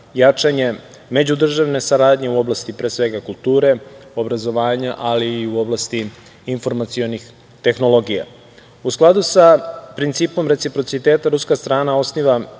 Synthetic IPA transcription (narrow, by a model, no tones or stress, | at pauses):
jat͡ʃaɲe̞ | me̞d͡ʑud̪r̩ʒaʋne̞saɾaːd̪ɲe̞uo̞blast̪ipɾeːsʋe̞ɡakulˠt̪uːɾe̞o̞bɾazo̞ʋaːɲaʔaliːuo̞blast̪iː | nfo̞ɾmat̪sio̞nix | t̪e̞xno̞lˠo̞ɡija̰ | usklˠad̪usapɾint̪siːpo̞mɾe̞t̪sipɾo̞t̪sit̪eːt̪aɾuskast̪ɾaːnao̞sniʋa